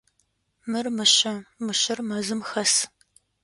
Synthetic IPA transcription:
mɨrmɨɕɐmɨɕɪrmɐzɨmxɐs

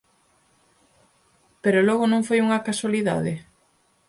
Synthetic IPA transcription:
peɾolɔɣʊnõŋfojuŋɐkaswaliða̰ðɪ

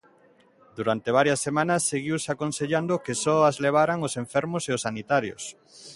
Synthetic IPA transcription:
d̪uɾant̪eβ̞aɾjɐsːemãnɐsːeɣiwsakonseʎand̪okesɔazleβ̞aɾaŋosẽɱfɛɾmoseosːanit̪aɾjo̰s

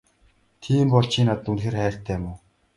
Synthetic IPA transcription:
t̪ʰiːmpɔɮt͡ɕiːnat̪̚unxeːrχæːr̥t̪ʰæːmʊː

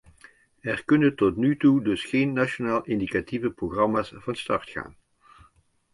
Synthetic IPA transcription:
ɛrkɵnəntɔtnytudɵsχejnːaʃonaːlˠʔɪndikativəproχrɑmaːsv̥ɑnstɑɹtχa̰ːn

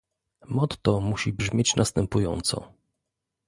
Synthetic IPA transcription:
mɔt̪ːɔmuɕibʐmʲet͡ɕnast̪ɛmpujɔ̰nt̪sɔ̰

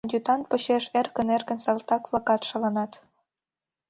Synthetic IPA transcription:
d̪ʲut̪ɑn̚pə̆ɕeʃerkə̆nerkə̆nsɑlt̪ɑkβlɑkɑt̪ʃə̆lənɑt̪

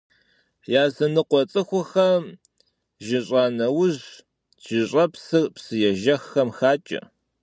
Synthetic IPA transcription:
jaːzɨnɨqʷɔt͡sʼɨxʷʊxɐm | ʒɪɕʼaːnɐwʊʑ | ʒ̥ɪɕʼɐpsɨrpsɨjɛʒɐxːɐmxaːt͡ʃʼɐ̰

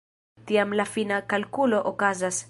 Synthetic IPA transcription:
tiamlafinakalkulo̞ʔokazas

